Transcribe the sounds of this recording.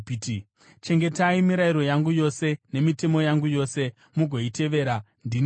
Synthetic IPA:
t͡ʃe̞ŋɡe̞taimiɾaiɾo̞jaŋɡujo̞se̞ne̞mite̞mo̞jaŋɡujo̞ːse̞ | muɡʱo̞ite̞ʋe̞ːɾa | ndin

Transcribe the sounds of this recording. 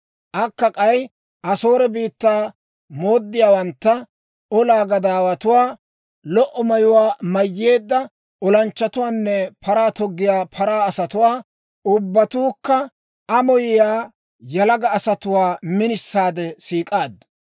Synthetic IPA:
ʔɐkːɐkʼɐj | ʔɐso̞ːɾɛbiːt̪ːaː | mo̞ːd̪ːɪjaːwɐnt̪ːɐ | ɔlaːɡɐd̪aːwɐt̪ʊwaː | lɔʔɔmɐjʊwaːmɐjːe̞ːd̪ːɐ | ɔlɐnt͡ʃːɐt̪ʊwaːnːɛpʰɐɾaːt̪ɔɡːɪjaːpʰɐɾaːɐsɐt̪ʊwaː | ʊbːɐt̪uːkːɐ | ɐmɔjɪjaː | jɐlɐɡɐːsɐt̪ʊwaːmɪnɪsːaːd̪ɛsiːkʼaːd̪ː

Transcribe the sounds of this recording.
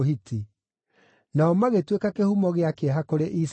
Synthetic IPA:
hiti | naɔmaɣetwekakehumɔɣeakeɛɦakoɾeʔis

